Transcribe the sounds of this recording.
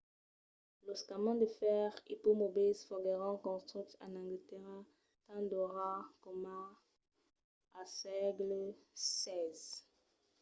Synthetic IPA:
lɔskamɑ̃d̪əfɛʁipomobizfɔɡeʁɑ̃kɔ̃st̪χit̪a̰nãŋɡit̪eʁã | t̪ãd̪ɔʁakɔma | asɛɡlsɛz

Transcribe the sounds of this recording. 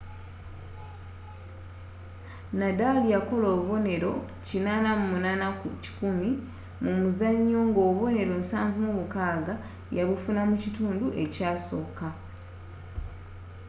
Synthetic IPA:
nadalijako̞lo̞ːβuβo̞ne̞ɾo̞ | cinaːnamumunaːnakuci̥kumi | mumuzaɲːo̞ŋɡoːβo̞ne̞ɾo̞musaːɱvumuβukaːɡa | jaβufunamucituːnduʔe̞caːso̞ːka

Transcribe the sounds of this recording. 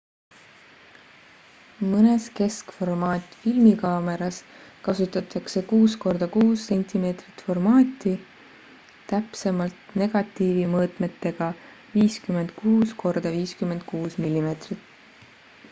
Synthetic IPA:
mɤneske̞skfo̞rmɑːt̪ʲˑfilmikɑːme̞ɾɑs | kɑsut̪ːˑɑt̪ːˑɑkse̞kuːsko̞rd̪ɑkuːsːe̞nʲt̪ime̞ːt̪rit̪ːˑfo̞rmɑːt̪ːˑi | t̪æpse̞mɑlt̪ne̞ɡ̥ɑt̪ːˑiːvimɤːt̪me̞t̪ːe̞ɡ̥ɑ | viːskyme̞nd̪̥̚kuːskʰo̞rd̪̥ɑviːskyme̞nd̪̚kuːsmilːime̞ːt̪rit̪ːˑ

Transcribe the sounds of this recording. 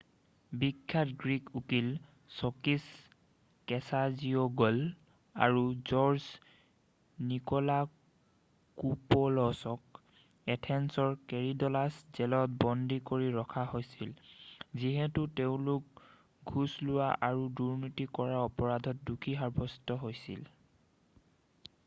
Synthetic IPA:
bikʰːatɡɹikukil | sɔkis | kɛsaziɔɡɔl | a̰ɹuzɔɹs | nikɔla | kupɔlɔsɔk̚ | ɛtʰɛnsɔɹkeɹidɔlasz̥ɛlɔt̚bɔndʱikoɹiɹɔkʰaɦojsilziɦɛtʊteʊ̃lʊk̚ | ɡʱuslʊwaʔaɹuduɹnitikɔɹaɔpɔɹadʱɔt̚dukʰiɦaɹbʱɔstɔɦojsḭl

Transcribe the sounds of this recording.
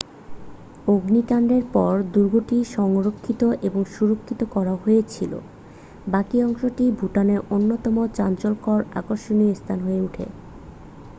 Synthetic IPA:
oɡnikaɳɖeɾpɔɾd̪uɾɡʱoʈiʃɔŋɾokʰːit̪oʔeboŋʃuɾokʰːit̪okɔɾaɦojet͡ɕʰilo̰ | bakiɔŋʃoʈibʱuʈaneɾonːot̪ɔmot͡ɕant͡ɕolkɔɾa̰koɾʃoniost̪ʰanɦoeuʈʰḛ

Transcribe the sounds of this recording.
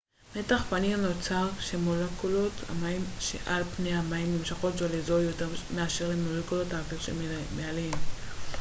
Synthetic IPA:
me̞taχpanimnot͡saʁʃemolekulo̞ta̰maimʃḛʔalpnejamaimnimʃaχo̞tzolezojoteʁmeaʃe̞ʁlemolekulo̞taːviʁʃe | mealim

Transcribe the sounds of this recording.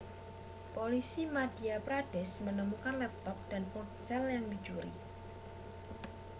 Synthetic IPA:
polisimadiapɾadɛsmənəmukanlɛp̚t̪ɔp̚d̥anpɔt͡ʃɛljaŋdid͡ʒuɾḭ

